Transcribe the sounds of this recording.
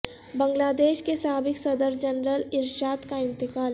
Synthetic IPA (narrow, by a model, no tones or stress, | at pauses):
bɐ̃ŋɡlaːd̪eːʃkesaɦaːbɪksɐd̪əɾd͡ʒɐnɾəlɪɾʃaːd̪kaɪ̃nt̪ɪkaːl